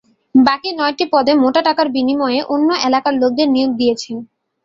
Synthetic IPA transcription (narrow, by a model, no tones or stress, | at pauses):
bakinɔeʈipɔd̪emoʈaʈakaɾbinimɔeeʔonːoʔelakaɾlok̚d̪eɾnijoɡ̚d̪ijet͡ɕʰen